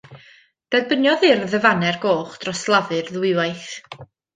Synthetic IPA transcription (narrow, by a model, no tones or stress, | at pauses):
d̥ɛðbənjɔðɪrðəvanɛrɡoːχd̥rɔslˠavɨrðwɪwajθ